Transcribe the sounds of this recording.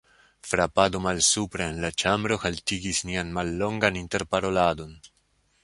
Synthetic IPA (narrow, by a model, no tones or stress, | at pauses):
fɾapad̪omalsupɾaenlat͡ʃambɾoxaltiɡisnianmalːo̞ŋɡaninteɾpaɾo̞lad̪o̞n